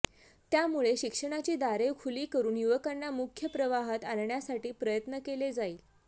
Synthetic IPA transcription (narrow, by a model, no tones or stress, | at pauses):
t̪jamuɭeɕikʂəɽ̃at͡ɕiːd̪aɾeʋkʰuliːkəɾuːnjuʋəkanːamukʰjəpɾəʋaɦat̪anɳjasaʈiːpɾəjət̪nəkeled͡zaiːl